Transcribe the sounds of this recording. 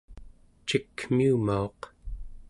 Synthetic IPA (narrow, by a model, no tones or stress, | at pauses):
t͡ʃikːmiːmaoq